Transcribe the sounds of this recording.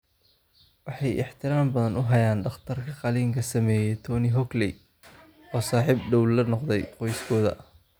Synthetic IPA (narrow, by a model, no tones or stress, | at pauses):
wɑħɑjɪ̰ħt̪ʰɪɾaːmbɐðɐnʔʊɦɐjaːnɖɑχt̪ʰɐrkʰɐqɑliːŋkʰɐsɐmɛːjɛjt̪ʰɔːnɪɦɔklɛj | ɔːsaːħiːbɖɔwlɐnɔqd̪ɛjqɔjskʰɔːðɐ̰ʔ